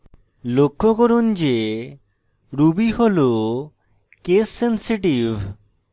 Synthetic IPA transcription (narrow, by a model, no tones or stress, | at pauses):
lokʰːokɔɾund͡ʒe | ɾubiholo | kesːensiʈiv